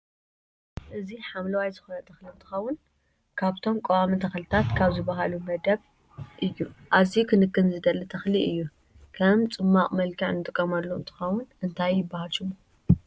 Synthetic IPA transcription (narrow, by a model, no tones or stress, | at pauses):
ʔɨziħamlɐwajzɨxonɐt̪ʰɐxliɨnt̪ʰɨ̥xɐwːʊn | kʰaβt̪ʰo̞mkʼowamɨnt̪ʰɐxlɨt̪ʰat̪kʰaβzɨbaɦalumɐd̪ɐβ | ʔɨjːuʔazikʰɨnɨkːɨnzɨd̪ɐlːɨt̪ʰɐxliʔɨjːu | kʰɐmt͡sʼɨmːaqʼmɐlkʰɐʕnɨt̪ʼɨkʼːɐmalːoɨ̰nt̪ʰɨ̥xɐwːʊnʔɨnt̪ʰajːɪbːahalʃɨmo